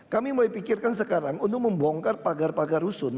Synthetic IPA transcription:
kamimolajpikɪrkansəkaɾaŋunt̪ʊk̚məmbɔŋkanpaɡarpaɡarusʊn

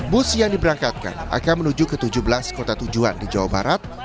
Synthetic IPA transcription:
bʊsjaŋdibəɾaŋkat̪̚ka̰na̰kanmənud͡ʒukət̪ud͡ʒuhbəlaskot̪at̪ud͡ʒuandid͡ʒawaba̰ɾat̪̚

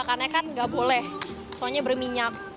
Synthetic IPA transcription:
karɲakanŋɡaʔbolɛh | soɲabərmiɲak̚

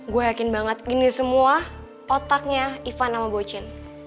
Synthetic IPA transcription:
ɡuajakɪnbaŋət̪inisəmua | ɔt̪ak̚ɲaifanːamabot͡ʃɪn

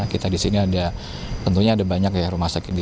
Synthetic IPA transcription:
kit̪adisiniada | t̪ənt̪uɲaːdabaɲakjahrumahsakɪt̪̚di

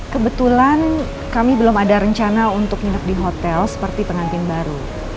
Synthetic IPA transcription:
kəbət̪ulan | kamibəlɔmadaɾəɲt͡ʃanaunt̪ʊk̚inək̚diɦot̪ɛlsə̥pərt̪ipəŋant̪ɪnbaɾu

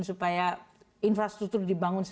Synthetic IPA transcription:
nsupaja | infɾast̪ɾuk̚t̪ʊrdibaŋʊns

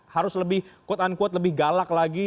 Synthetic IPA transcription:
haɾʊsləbɪhkuat̪ankuat̪̬̚ləbɪhɡalak̚laɡi

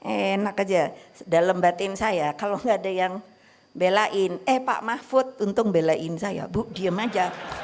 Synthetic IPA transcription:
ʔenakad͡ʒadaləmbat̪ensajakaloŋɡaːdajaŋ | belaʔɪnɛhpa̰ʔmafʊt̪̚unt̪ʊkbelaʔɪnsaja̰buʔ̚diəmad͡ʒa

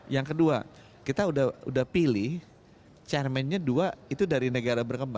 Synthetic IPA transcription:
jaŋkədua | kit̪audahṵdahpilɪh | t͡ʃɛrmɛnɲaduait̪udaɾinəɡaɾabərkəmba

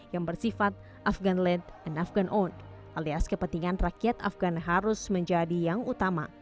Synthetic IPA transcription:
jaŋbərsifat̪̚ | ʔafɡanlɛt̪ɛnafɡanʔon | ʔaliaskəpənt̪iŋanrakiat̪a̰fɡanɦaɾʊsməɲd͡ʒadijaŋut̪ama̰

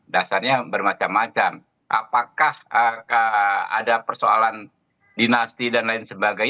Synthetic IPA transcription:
dasarɲabərmat͡ʃamːat͡ʃam | ʔa̰pakahəəa̰dapərsoa̰lan | dinast̪idanlaɪnsəmbaɡaj

